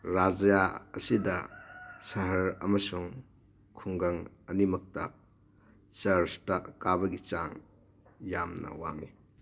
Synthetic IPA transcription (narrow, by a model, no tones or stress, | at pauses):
ɾad͡ʒjaɐsidɐsɐɦɐɾɐ̰mɐsuŋ | kʰuŋɡɐŋ | ɐnimɐk̚tɐ | t͡ʃɐɾstɐkabɐɡit͡ʃaŋ | jamnɐ̰wa̰ŋi